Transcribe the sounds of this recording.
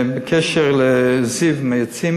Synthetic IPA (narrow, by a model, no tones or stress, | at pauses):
bɪkʰɛʃəʁlɛzivmajat͡sim